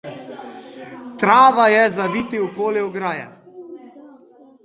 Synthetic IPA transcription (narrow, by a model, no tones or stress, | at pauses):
t̪ɾaːʋajɛzaʋiːt̪iwpoːlɛwɡɾaːjɛ̰